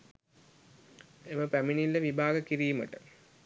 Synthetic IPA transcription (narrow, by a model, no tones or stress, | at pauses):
eməpæminilːəʋibʱaːɡəkiɾiːmə̰ʈə